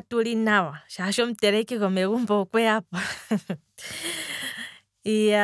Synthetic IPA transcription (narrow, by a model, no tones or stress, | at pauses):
tulinawaʃaʃɔm̩tɛɾɛkiɣɔmeɣumbɔkwɛapa | ia